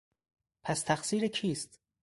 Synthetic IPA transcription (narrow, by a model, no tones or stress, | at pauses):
pʰæst̪ʰæxsiːɾekʰiːst̪